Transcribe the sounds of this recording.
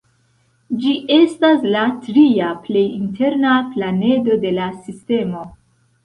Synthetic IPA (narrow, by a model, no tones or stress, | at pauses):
d͡ʒiʔe̞staslatɾiaple̞jintʰe̞ɾnaplane̞do̞de̞lasiste̞mo̞